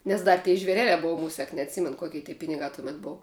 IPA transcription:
nʲɛs ˈdɐr tʲeː ʒʲʋʲɛˈrʲæːlʲæː ˈboːʋɐ ˈmʊsʲɛk nʲɛɐtʲˈsʲiːmʲɛn ˈkoːkʲɪ tʲiː ˈpʲɪnʲɪɡɑː tʊˈmʲɛt ˈboːw

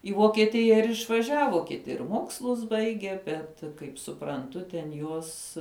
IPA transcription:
iː ʋoːkʲiɛˈtʲɪjɛ ɪr ɪʃʋɐˈʒʲæːʋoː kʲɪˈtʲɪ ɪr ˈmoːkslˠʊs ˈbɐɪɡʲeː ˈbʲɛt kɐɪp sʊprɐnˈtʊ tʲɛn ˈjuɔs

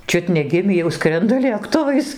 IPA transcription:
ˈt͡ʃʲʊt nʲɛˈɡʲɪmʲiː jɛʊ ˈskrʲɛndɐ lʲeːkˈtʊʋɐɪs

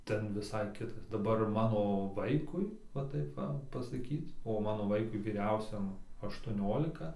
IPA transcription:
ˈtʲɛn ʋʲɪˈsɐɪ ˈkʲɪtɐs dɐˈbɐr ˈmɑːnoː ˈʋɐɪkʊɪ ʋɐ ˈtɐɪp ˈʋɐ pɐsɐˈkʲiːt oː ˈmɑːnoː ˈʋɐɪkʊɪ ʋʲiːˈrʲɛʊsʲɛm ɐʃtuɔˈnʲoːlʲɪkɐ

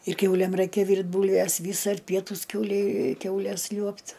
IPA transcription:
ɪr ˈkʲɛʊlʲeːm ˈrɐɪkʲɛ ˈʋʲiːrʲtʲ ˈbuːlʲʋʲɛs ˈʋʲiːs ɐr ˈpʲiɛtuːs ˈkʲɛʊlʲɛɪ ˈkʲɛʊlʲɛs ˈlʲuɔpt

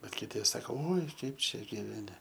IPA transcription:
bʲɛt kʲɪˈtʲɪ ˈsɑːkoː oːɪ ˈkɐɪp ˈt͡ʃʲɛ ɡʲiːʋʲɛˈnʲɪ

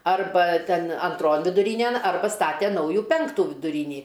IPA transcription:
ˈɐrbɐ ˈtʲɛn ɐnˈtroːn ʋʲɪdʊˈrʲiːnʲɛn ˈɐrbɐ ˈstɑːtʲɛ ˈnɐʊjuː ˈpʲɛŋktuː ʋʲɪdʊˈrʲiːnʲiː

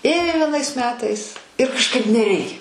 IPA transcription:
ˈeːjoː ʋʲiɛˈnɐɪs ˈmʲæːtɐɪs ɪr kɐʃˈkɐɪp nʲɛˈrʲɛɪkʲɛ

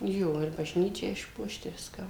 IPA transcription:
ˈjoː ɪr bɐˈʒʲnʲiːt͡ʃʲæː ɪʃˈpuɔʃt ɪ ˈʋʲɪskɑː

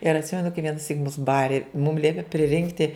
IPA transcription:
ɪr ɐtʲˈsʲɪmʲɛnʊ kɐɪ ʋʲiɛnɐˈsʲiːk mʊs ˈbɑːrʲɪ mʊm ˈlʲiɛpʲɪ pʲrʲɪˈrʲɪŋktʲɪ

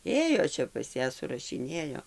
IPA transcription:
ˈeːjoː ˈt͡ʃʲɛ pɐs ˈjæː sʊrɐʃʲɪˈnʲeːjoː

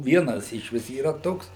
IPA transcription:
ˈʋʲiɛnɐs ɪʃ ˈʋʲɪs iːˈrɐ ˈtoːks

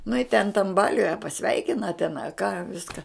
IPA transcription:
nʊ ɪ tʲɛn tɐm ˈbɑːlʲʊj ɐ pɐˈsʲʋʲɛɪkʲɪnɐ tʲɛn ɐ kɑː ˈʋʲɪskɐ

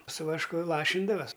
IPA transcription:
sʊ ʋɐʃˈkʊ ˈlˠɑːʃʲɪndɐʋɐsʲ

